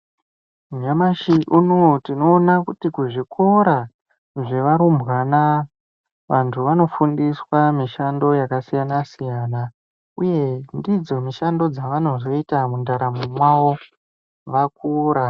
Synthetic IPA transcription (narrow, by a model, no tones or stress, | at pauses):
ɲamaʃiʔunotino̞ːnakutikuʐikʰo̞ɾa | ʐe̞ʋaɾumbwana | ʋantʰuʋano̞fundiswamiʃando̞jakasijanasijana | uje̞ndid͡zo̞miʃando̞d͡zaʋano̞zo̞itamundaɾammwaʋo | ʋakuːɾa